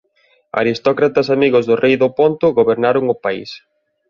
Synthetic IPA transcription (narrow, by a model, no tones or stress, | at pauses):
a̰ɾist̪ɔkɾat̪ɐsamiɣʊzðʊrʔejðʊpont̪ʊɣoβeɾnaɾʊŋʊpaḭs